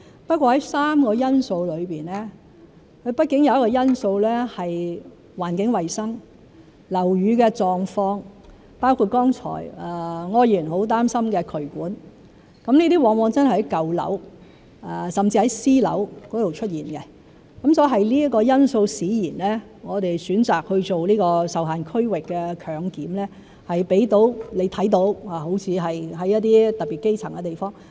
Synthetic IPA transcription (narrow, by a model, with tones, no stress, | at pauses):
pɐ˥t̚kʷwɔː˧hɐ˨˦jsaː˥mkɔː˧jɐ˥nso˧wlɵ˨˧ɥpiː˨nɛː˥ | kʰɵ˧ɥpɐ˥t̚kɪ˨˥ŋjɐ˨wjɐ˥kːɔː˧jɐ˥nso˧wlɛː˥hɐ˨j | waː˨˩nkɪ˨˥ŋwɐ˨jsɐ˥ŋ | lɐ˨˩wɥyː˨˧kɛ˧t͡ʃɔː˨˧ŋfɔː˧ŋ | paː˥wkʰuː˧t̚kɔː˥ŋt͡ʃʰɔ̰ː˨˩jɛ˨ŋɔː˧jjiː˨˩nho˨˥wt̪̬aː˥msɐ˥mkɛː˧kʰɵ˨˩ɥkuː˨˥n | kɐ˨˥mniː˥t̪iː˥wɔː˨˥ŋwɔː˨˧ŋt͡sɐ˥nhhjkɐ˨wlɐ̰˨˥w | ɛ˨sɐ˨mt͡si˧hɐ˨˥jsiː˥lɐ̰˨˥wkɔː˨˥t̪o˨˩wt͡ʃʰɵ˥t̚jiː˨nkɛ˧ | kɐ˨˥msɔː˨˥ɦɐ˨jliː˥kɔː˧jɐ˥nso˧wsiː˨˥jiː˨˩nlɛː˥ | ŋɔː˨˧t̪e˨jsyː˨˥nt͡saː˨k̚hɵ˧ɥt͡so˨wliː˥kɔː˧sɐ˨wɦaː˨nkʰɵ˥ɥwɪ˨kːɛː˧kʰœː˨˧ŋkiː˨˥mlɛː˥ | hɐ˨jpe˨˥jt̪o˨˥wle˨˧jt̪ʰɐ˨˥jt̪o˨˥waː˨˩ho˨˥wt͡sʰiː˨˧ɦɐ˨jɦɐ˨˥jɐ˥t̚t̪iː˥t̪ɐ˨t̚piː˨t̚ke˥jt͡sʰɐ˨˩ŋkɛ˧t̪e˨jfɔː˥ŋ